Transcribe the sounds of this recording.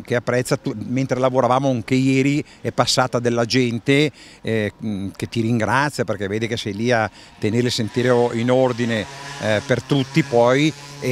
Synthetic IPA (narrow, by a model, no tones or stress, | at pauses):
keapːɾɛt̪sːat̪ument̪ɾelavoɾavaːmoaŋkejɛːɾi | ɛpːasːaːt̪ad̪elːad͡ʒɛnt̪e | ket̪ːiɾiŋɡɾat̪sːjaperkɛvːeːd̪ikesɛjlia | t̪ːeneɾlisent̪iːɾoinord̪inepert̪ut̪ːipɔj